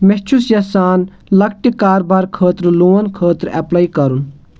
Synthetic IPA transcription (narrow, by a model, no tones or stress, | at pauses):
mɛt͡ʃʰusjɐsaːn | lɐkʈikaːɾbaːɾkʰəːt̪ɾloːʋɐnkʰəːt̪ɾɛ̰plaːikɐɾun